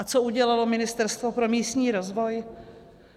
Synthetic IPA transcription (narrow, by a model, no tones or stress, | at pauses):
at͡so̞uɟɛlalo̞mɪnɪst̪ɛɾst̪vopɾo̞miːst̪ɲiːɾo̞zvo̞j